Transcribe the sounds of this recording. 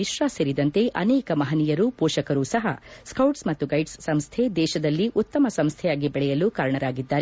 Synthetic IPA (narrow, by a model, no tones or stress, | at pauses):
iʃɾaːseɾid̪ɐnt̪e̞ʔɐnɛːkɐmɐɦɐnijɐɾuːpoːʃɐkɐɾuːsɐɦɐskɐwʈsmɐt̪ːuɡɐjɖsːɐmst̪ʰe̞d̪ɛːʃɐd̪ɐlːiʔut̪ːɐmɐsɐmst̪ʰɛjaːɡibɛɭɛjɐluːkaːɾɐɳɐɾaːɡid̪ːaːɾe